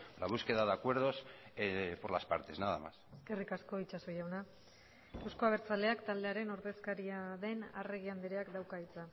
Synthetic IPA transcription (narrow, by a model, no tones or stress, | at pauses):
laβuske̞ðaðakwe̞ɾð̞o̞s | poɾlaspa̰ɾt̪e̞znaða̰ma̰seske̞rikasko̞it͡ʃaso̞jawna | esko̞aβ̞e̞ɾt͡sale̞akt̪ald̪e̞aɾe̞no̞ɾðe̞skaɾiaðe̞na̰re̞ɣiand̪eɾeakd̪awkait͡sa